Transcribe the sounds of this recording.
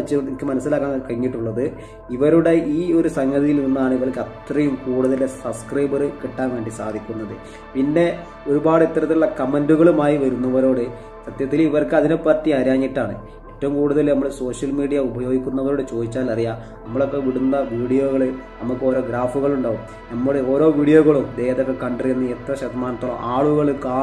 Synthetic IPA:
ɐt͡ɕːɨikːɨmɐnɐsːilaːkːaːnkɐɻiŋːiʈːuɭːɐðɨ | iʋɐɾuɽe̞ʔiːo̞ɾusɐŋɡɐðijilninːuaːɳɨiʋɐɭkːɐt̪rɐjumkuːɽuðɐlesɐbskrɐjbɐrɨkiʈːaːnʋe̞ːɳɖisaːd̪ʱikʲːunːɐðɨ | pinːe̞ | o̞ɾubaːɽit̪ːɐɾɐt̪ːiuɭːɐkɐmenduɣɐɭumaːjiʋɐɾunːɐʋɐɾo̞ːɽe | sɐt̪jɐt̪ːiliʋɐrkɨɐðinepːɐːt̪ːiaːɾaːŋːiʈːaːɳɨ̰ | eʈːɐʋumkuːɽuðɐlnɐmːɐɭeso̞ːʂjɐlmiːɽijɐubɐjo̞ːɡikʲːunːɐʋɐɾo̞ːɽet͡ɕo̞ːd̪it͡ɕːaːlɐrija | nɐmːɐɭo̞kːe̞ʋiɽunːɐʋiːɽijo̞ːɣɐɭɨnɐmukːɨo̞ːɾo̞ːɡɾaːfuɣɐɭuɳɖaːʋum | nɐmːɐɽeo̞ːɾo̞ːʋiːɽijoɣɐɭumd̪e̞ːɦɐðokːekɐɳɖɐrɐjunːɐet̪rɐɕɐd̪ɐmaːnɐt̪ːoːɭɐmʔaːɭuɣɐɭkaː

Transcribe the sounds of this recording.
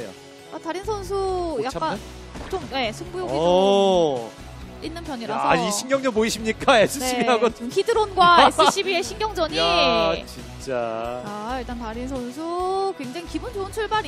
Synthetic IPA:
ejo̰ | ataɾinsʰʌns̬ʰujak͈an | t͡ɕomje̞sʰuŋbujoki | inːɯnpjʌɲiɾasʰa̰iɕʰiŋɡjʌŋd͡ʑʌmpoiɕʰimɲik͈aesʰuɕ͈ʰiɡeɦaɡokidɯɾonɡwaesɯɕʰibie̞ɕʰiŋɡʲjʌŋd͡ʑʌɲiat͡ɕint͡ɕ͈aaiɭt͈antaɾinsʰʌns̬ʰukwe̞ŋd͡ʑaŋikibund͡ʑoɯnt͡ɕʰuɭbaɾi

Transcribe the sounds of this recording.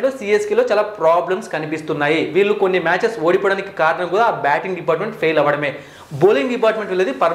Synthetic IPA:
lo̞ːsiːeskilo̞ːt͡ʃaːlaːpɾaːblɐmskɐnipist̪unːaːjiʋiːɭːukonːimaːt͡ʃeso̞ːɽipoːɽaːnikikaːɾɐɳɐmkuːɽaːbaːʈiŋɡɖipaːɾʈme̞ɳʈpʰeːjlɐʋɐɽɐme̞ː | boːliŋɡɖipaːɾʈme̞ɳʈʋelːeːd̪ipɐɾ

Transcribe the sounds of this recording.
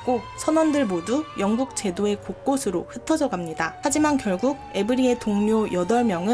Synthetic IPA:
k͈osʰʌnwʌndɯɭmodujʌŋɡuk̚t͡ɕe̞doe̞kok̚k͈osʰɯɾoɸɯtʰʌd͡ʑʌɡamɲidahad͡ʑimankjʌɭɡuɡ̚e̞bɯɾie̞toŋɲojʌdʌɭmjʌŋɯ

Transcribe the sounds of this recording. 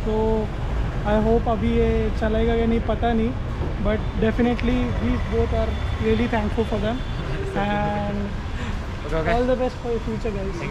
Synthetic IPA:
so | ajɦoːpəbiet͡ʃəlaɪɡaɡanipət̪ani | bəʈ̚ɖefɪneʈliʋiːboːt̪ʰaɾkliəlit̪ʰæ̃ŋkfulfɔɾd̪ɛ̃m | ɛɳɖ | ɔːld̪əbɛsʈfɔɾd̪əfjut͡ʃəɾɡals

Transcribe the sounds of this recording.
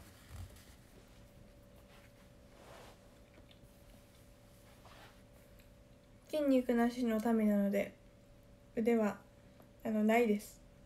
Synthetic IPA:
kʲĩɲ̟ːikɯ̟naɕino̞t̪ame̞nano̞d̪e̞ | ɯ̟d̪e̞βaː | no̞naid̪e̞sɨ̥

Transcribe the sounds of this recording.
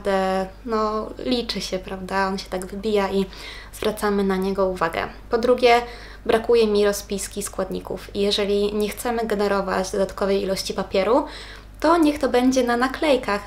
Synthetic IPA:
d̪ɛnɔlʲit͡ʂɘɕɛpɾavd̪aɔnɕɛ̥t̪aɡvɘbʲijai | z̥vɾat̪samɘnaɲɛɡɔuvaɡɛ̰ | pɔd̪ɾuɡʲɛ | bɾakujɛmʲiɾɔspʲijskʲiskwad̪ɲḭkṵfijɛʐɛlʲiɲɛxt̪sɛmɘɡɛnɛɾɔva̰d͡ʑd̪ɔd̪at̪kɔvɛjilɔɕt͡ɕipapʲjɛɾu | t̪ɔɲɛxt̪ɔbɛɲd͡ʑɛnanaklɛjkax

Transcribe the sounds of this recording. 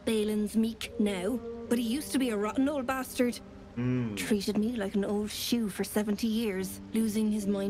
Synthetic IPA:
b̥eɪlə̃nzmiˑknaʊb̥ʌt̚hijʉstəbiəɹɔʔnoʊlˠd̚bastə˞d̥ | tʰɹ̥iˑɾɪd̚milaɪkə̃noʊlˠd̥ʃʉːfə˞sɛvə̃ntʰijɪɹz̥ | lʉːzɪ̃ŋɪzmãɪ̃

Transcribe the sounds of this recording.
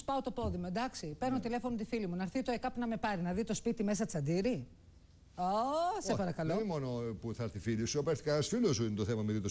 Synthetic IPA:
spɐot̪o̞po̞ðimoend̪ɐksipe̞ɾnot̪ile̞fonomt̪ifilimunɐɾθit̪oekɐpunɐme̞pɐɾinɐðit̪o̞spit̪ime̞s̬ɐt̪i̥t͡sɐnd̪iɾi | osepɐɾɐkɐlomonopuθɐɾθifilisuɐpeɾθi̥kɐɐsfilosuint̪oθemɐmeðit̪os

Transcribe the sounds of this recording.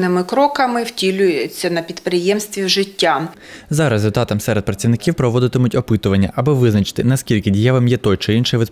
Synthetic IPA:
nɪmɪkɾɔkɐmɪw̥tʲilʲʊjet͡sʲːɐnɐpʲid̪pɾɪjɛmst̪ʋʲiwʒɪtʲːa | zɑɾezzʲʊlʲt̪ɑt̪ɐmsɛɾed̪̚pɾɐt͡sʲiʋnɪkʲiwpɾɔʋɔd̪ɪt̪ɪmʊtʲɔpɪt̪ʊʋɐnʲːɐʔɐbɔʋɪznɐt͡ʃɪ̥t̪ɪnɐskʲilʲkɪdʲijaʋɐmjɛt̪ɔjt͡ʃɪinʃɪjʋɪ

